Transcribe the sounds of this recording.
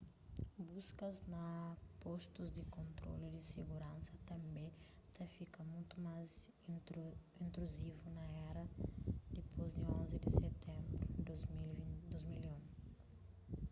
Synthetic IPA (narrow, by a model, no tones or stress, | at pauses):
buskɐznɐpost̪uzd̪ɪkõnt̪ɾo̰lid̪ɪseɡuɾɐ̃nsɐt̪ɐ̃mbẽt̪ɐfikɐmũjt̪umaz | ĩnt̪ɾuzivunɐɛɾɐd̪ipʰozd̪iõnzid̪iset̪ẽmbɾu | d̪ozmiliũ